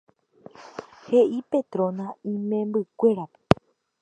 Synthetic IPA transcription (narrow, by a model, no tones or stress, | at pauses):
he̞ʔipe̞t̪ɾõnãĩmẽ̞mbɨkʷe̞ɾape̥